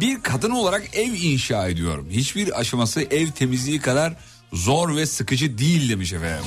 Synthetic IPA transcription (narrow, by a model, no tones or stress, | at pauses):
biɾkʰad̪ɯno̞lˠaɾakɛvinʃaːe̞d̪ijo̞̰ɾumhit͡ʃbiɾa̰ʃamasɯʔɛvt̪ʰe̞mizlʲijikʰad̪aɾ | zoɾvɛsɯkɯd͡ʒɯd̪ijilʲd̪emiʃefɛ̰